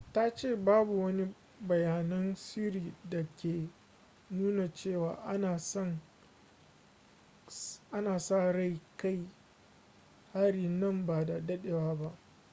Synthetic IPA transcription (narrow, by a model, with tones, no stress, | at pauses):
ta˦t͡ʃeː˦˨baː˦bu˨wɐ˦ni˦ | bɐ˨jaː˨nɐ˦nsiː˦ɾiː˨dɐ˨kʲeː˨ | nuː˦na˨t͡ʃeː˦˨waː˨ʔna˨sɐ˦ŋ | ʔa˦naː˨sa˦˨ɽa˦˨jka˦˨j | ha˦ɽi˦˨nɐ˦˨mbaː˨da˨dɐ˦ɗe˨waː˦ba˦ʔ